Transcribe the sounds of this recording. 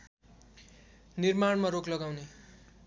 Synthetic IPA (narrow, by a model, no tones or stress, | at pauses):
nirmaɳmaɾoklʌɡawne